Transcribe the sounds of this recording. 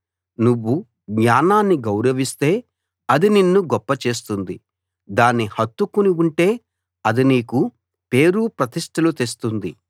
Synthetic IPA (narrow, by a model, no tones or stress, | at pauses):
nuʋːu | ɡɲaːnaːnːiɡɐwɾɐʋist̪e̞ː | ɐd̪ininːuɡɔpːɐt͡ʃe̞ːs̬t̪und̪i | d̪aːnːihɐt̪ːukuniuɳʈe̞ː | ɐd̪iniːku | pe̞ːɾupɾɐt̪iʂʈʰɐlut̪es̬t̪und̪i